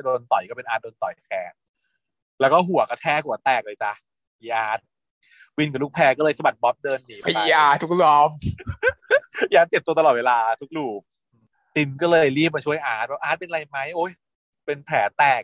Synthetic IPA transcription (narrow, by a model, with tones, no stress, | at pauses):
doː˧nt̪ɔ˨˩jkɔː˥˩pe˧nʔaː˦˥t̪̚doː˧nt̪ɔ˨˩jt̪ʰɛː˨˧˥ | lɛː˦˥wkɔː˥˩ɦu˨˩˦ɐkɔ˥˩t̪ʰɛː˧˩hu˨˩˦t̪ɛː˨˩k̚lɤː˧jt͡ɕa˧˩ | jaː˦˥t̪̚ | wi˧nka˨˩lu˦˥˩kpʰɛː˧kɔː˥˩lɤː˧jsa˧ba˨˩t̪̚bɔ˦˥p̚dɤː˧nːiː˨˦ba˨˧˦jaː˧˩t̪ʰu˦˥k̚lɔː˦˧˥m | jaː˦˥t̪̚t͡ɕe˨˩p̚t̪u˧t̪a˧ɔː˨˩t̪̚weː˧laː˧t̪ʰu˦˥k̚duː˨˩˧ | t̪i˧nkɔː˥˩lɤː˧jliː˥˩p̚maː˧t͡ɕʰu˥˩əjʔaː˨˦˥t̪̚pʰɔ˦˥ʔaː˦˥t̪̚pe˧nʔɾa˧jma˦˥jʔoː˦˥j | pe˧npʰɛː˩˦t̪ɛː˨˩k̚